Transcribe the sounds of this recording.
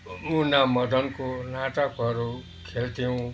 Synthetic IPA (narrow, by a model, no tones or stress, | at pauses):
unamʌd̪ʱʌnkonaʈʌkʌɾu | kʰelt̪ʰiũ